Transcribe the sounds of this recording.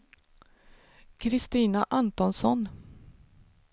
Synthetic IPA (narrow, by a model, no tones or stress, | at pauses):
kʰɾɪst̪iːnaʔant̪ɔnsɔn